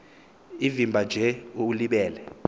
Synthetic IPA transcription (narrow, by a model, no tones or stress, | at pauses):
ivimbʱad͡ʒʱɛuliɓɛːlɛ